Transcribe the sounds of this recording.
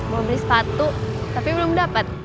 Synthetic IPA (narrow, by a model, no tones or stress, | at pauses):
məbilɪspat̪uʔt̪apibəlʊmdapat̪̚